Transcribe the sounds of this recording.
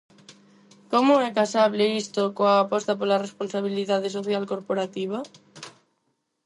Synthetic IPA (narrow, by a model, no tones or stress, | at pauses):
komʊɛkasaβleist̪okoaːpɔst̪apolaresponsaβ̞iliðað̞es̬oθjalkoɾpoɾat̪iβ̞a